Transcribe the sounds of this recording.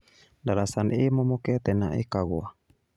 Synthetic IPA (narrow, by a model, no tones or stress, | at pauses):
dalasanemɔmɔkɛt̪ɛnaʔḭkaɡoa